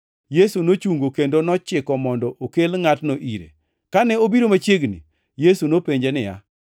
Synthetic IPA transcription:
jesunot͡ʃuŋɡokendonɔt͡ʃɪkɔmɔndɔʔokelŋatnoʔiɾḛ | kanɛobiɾomat͡ʃeɡnḭ | jesunopeɲd͡ʒenɪja̰

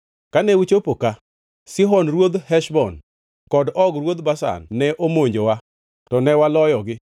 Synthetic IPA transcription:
kanɛwit͡ʃopoka | sɪɦɔnɾwod̪hɛʃbɔn | kɔdɔɡɾwod̪basa̰nːɛʔomoɲd͡ʒowa | tɔnɛwalɔjɔɡɪ

